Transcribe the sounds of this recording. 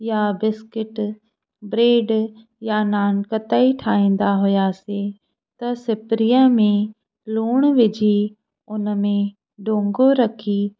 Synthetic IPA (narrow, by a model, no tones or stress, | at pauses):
jabɪskɪʈ | bɾeːɖ | janaːnkɐt̪əiʈʰaːĩːn̆d̪aɦʊjase | t̪ɐsɪpɾijə̃mẽ | luːɽ̃ʋɪd͡ʑʱi | ʊnəmẽ | ɖʱõːŋɡoɾɐkʰiː